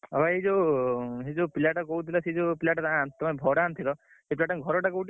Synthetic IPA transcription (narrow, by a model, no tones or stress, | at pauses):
ɔbʱaɦed͡ʒoɦed͡ʒopilaʈɔkɔɦut̪ʰilɔsid͡ʒopilaʈɔt̪ãant̪ɔmabʱɔɽaːnt̪ʰilɔ | sepilaʈaɡʱɔɾɔʈakɔut